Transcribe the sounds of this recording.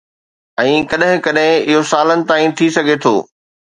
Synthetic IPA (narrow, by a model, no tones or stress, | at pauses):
ɛ̃ːkɐɗɦɪ̃kɐɗɦɪ̃ɪɦosaːlənɪ̆t̪aːĩt̪ʰisɐɡʱet̪ʰo̰ː